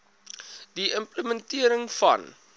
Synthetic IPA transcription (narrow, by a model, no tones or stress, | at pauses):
diəmpləməntiəɾəŋfɐ̰n